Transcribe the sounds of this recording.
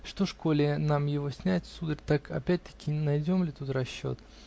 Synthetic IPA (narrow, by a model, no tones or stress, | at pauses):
ʂt̪o̞ʂkolʲɪənamjɪvo̞sʲnʲætʲsud̪əɾʲt̪akʰɐ̰pʲæt̚ʲt̪ə̥kʲɪnɐjdʲo̞mlʲɪt̪ut̪rɐɕːo̞̰t̪